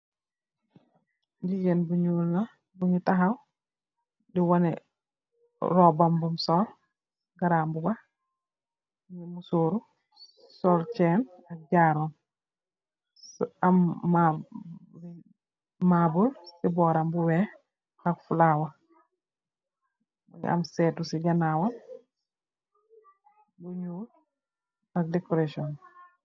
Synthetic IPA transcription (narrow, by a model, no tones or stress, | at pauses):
ndid͡ʒɛnbuɲulna | buɲutaɦaw | diwanɛ | ɾɔbambumsɔɾ | ɡaɾambuba | nimusoɾu | sɔɾt͡ʃɛn | ak̚ɟaɾɔn | amːa | mabulsibɔːɾambuwɛ | ɐkfulaːwɐ | ɐ̰msɛːtusiɟanaːwal | buɲuːl | ɐk̚dekoɾaʃiɔn